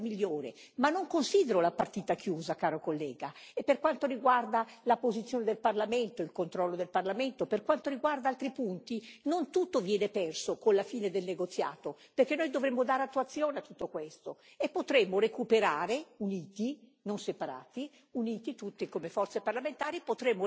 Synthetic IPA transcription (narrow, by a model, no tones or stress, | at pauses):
miʎːoːɾḛ | manːoŋkonsiːd̪eɾolapart̪iːt̪akʰjuːzakaːɾokolːɛːɡaepːerkwant̪oɾiɡward̪alapozit̪sjoːned̪elparlament̪oilkont̪ɾɔlːod̪elparlament̪operkwant̪oɾiɡward̪aalt̪ɾipunt̪inont̪ut̪ːovjɛːnepɛrsokonlafiːned̪elneɡot̪sːja̰ːt̪operk̟enːojd̪ovɾemːod̪aːɾeat̪ːuat̪sːjoːneat̪ːut̪ːokwest̪o | epːot̪ɾemːorekupeɾaːɾeuniːt̪inonsepaɾa̰ːt̪i | uniːt̪it̪ut̪ːikomefɔrt̪separlament̪aːɾipot̪ɾemːo